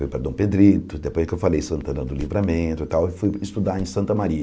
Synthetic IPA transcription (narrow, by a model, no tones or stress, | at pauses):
ujpɾɐd̪õw̃ped̪ɾit̪ʊd̪epojzd͡ʒɪkewfalejsɐ̃nt̪ɐ̃nɐd̪ʊlivɾamẽt̪ʊt̪awɪfujɪst̪ud̪aẽj̃sɐ̃nt̪ɐmaɾiɐ